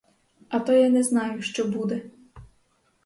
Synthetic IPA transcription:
ɐt̪ɔjanɛznɑjʊʃt͡ʃɔbud̪ɛ

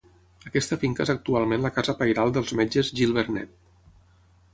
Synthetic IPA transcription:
əkɛst̪əfiŋkəḛzək̚t̪ualˠmẽnləkazəpajɾalˠd̪əlˠzmed͡ʒəzʒilˠβəɾnɛ̰t̪̚

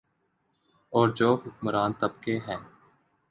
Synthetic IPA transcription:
ɔːɾd͡ʒoːɦʊkməɾaːnt̪əbkeːɦɛ̃ː

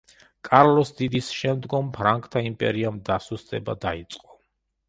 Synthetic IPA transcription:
kʼaɾlɔsd̪id̪isʃɛmd̪ɡɔmpʰɾaŋkʼt̪ʰaimpʼɛ̰ɾiamd̪asust̪ʼɛba̰d̪ait̪sʼqʼɔ̥

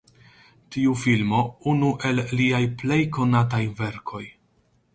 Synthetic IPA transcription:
tiufilmo̞unuʔe̞lːiajple̞jko̞natajve̞ɾkʰo̞j

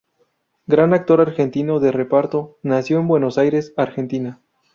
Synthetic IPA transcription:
ɡɾanak̚t̪o̞ɾaɾxe̞nt̪ino̞ðe̞re̞paɾt̪o̞nasjo̞embwe̞no̞sajɾe̞saɾxe̞nt̪ina

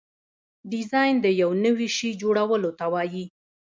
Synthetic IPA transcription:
ɖɪzɑjnd̪əjawnəwiʃid͡ʒoɽawəlot̪awɑji

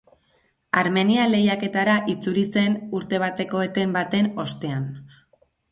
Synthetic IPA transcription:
aɾme̞niale̞jake̞t̪aɾaʔit͡suɾise̞nuɾt̪e̞β̞at̪e̞ko̞et̪e̞mbat̪e̞no̞st̪e̞an

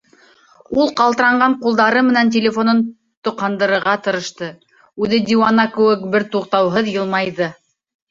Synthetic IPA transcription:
ulˠqɑlˠt̪ɤ̆ɾɑɴɢɑɴqulˠd̪ɑɾɤmɘ̆nænt̪̬ʲelʲefo̞non | t̪ŏqɑnd̪ɤ̆ɾɤ̆ɾʁɑt̪ɤ̆ɾɤ̆ʃt̪ɤ | ʉðɘd̪ʲiwɑnɑkɘ̆wɘk̚bɘɾt̪uqt̪ɑwɦɤðjɤlˠmɑjðɤ

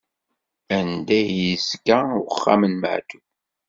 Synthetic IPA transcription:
ænd̪æjizɡæʊəχːa̰mənmə̰ʕt̪uθ

